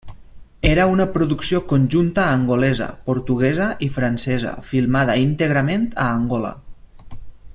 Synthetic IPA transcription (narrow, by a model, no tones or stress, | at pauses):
eɾəunəpɾuðuksiokunʲʒunt̪əːŋɡulɛzə̰puɾt̪uɣ̞ɛzəʔifɾansɛzə̰filˠmað̞əint̪eɣ̞ɾəment̪əːŋɡɔlə̰